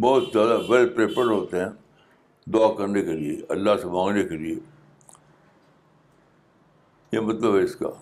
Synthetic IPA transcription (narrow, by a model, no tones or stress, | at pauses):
bɔːt̪zjaːd̪abelpɾeːpəɾɦoːt̪eɦɛ̃ː | d̪ʊakɐɾnekeliḛɐ̰lːasemãːŋɡnekelieː | jemɐt̪ləbɛɪska̰ː